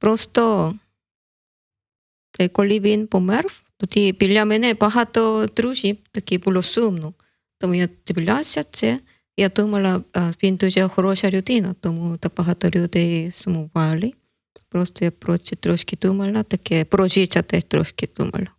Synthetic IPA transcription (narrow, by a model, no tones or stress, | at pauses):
pɾost̪o | t̪ajkoliβinpomɛɾft̪ut̪ipilamenepaɦat̪ot̪ɾuʃit̪akipulosumnu | t̪omujat̪ibilʲasjat͡se | jat̪umalaabint̪ut͡ʃahoɾoʃaɾjut̪inat̪omut̪apaɦat̪oɾjut̪ejsumubali | pɾost̪ojapɾot͡ʃit̪ɾoʃkit̪umalat̪akepɾot͡ʃit͡ʃat̪et̪ɾo̰ʃkit̪ṵma̰la